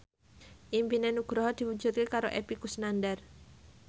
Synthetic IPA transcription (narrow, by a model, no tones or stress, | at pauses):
ʔimpinenuɡ̥ɾɔɦɔd̪̥i̤wuɲd͡ʒut̪̚kekaɾoʔepikusnandar